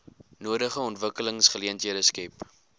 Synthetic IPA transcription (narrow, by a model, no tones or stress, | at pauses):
nuədəχəɔntvəkələŋsχəliəntɦiədəskɛp